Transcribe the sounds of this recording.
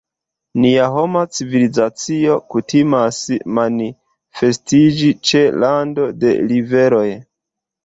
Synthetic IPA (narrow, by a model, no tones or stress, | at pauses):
niaɦo̞mat͡sivilizat͡sio̞kutimasmani | fe̞stid͡ʒit͡ʃe̞lando̞de̞̰live̞ɾo̞j